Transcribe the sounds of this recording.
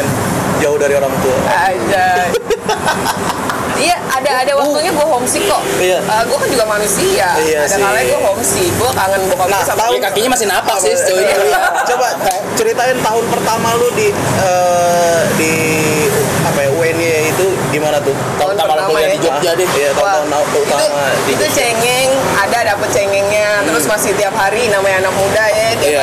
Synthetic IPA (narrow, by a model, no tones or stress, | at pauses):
nd͡ʒaʊhdaɾioɾaŋt̪uaad͡ʒa | ja | adaːdawak̚t̪uɲaɡuaɦɔŋsikɔʔijaʔəɡuakand͡ʒuɡamanusiaijaasdakalaaɡuaɦɔŋsiɡuakaŋanbakanasamt̪aʊkakiɲamas̬ɪnapasɪt̪int͡ʃoba | t͡ʃəɾit̪aɪnt̪aɦʊnpərt̪amalʊdi | ə | di | apajauɛnjait̪u | dimanat̪ʊh | t̪aʊnərmalaapəaaid͡ʒɔd͡ʒadijat̪at̪aɦunat̪uuit̪at̪uma | diut͡ʃɛŋɛŋ | adadapət̪̚t͡ʃɛŋɛŋɲat̪əɾʊsmasɪht̪iap̚ɦaɾinamajanak̚mudajad͡ʒi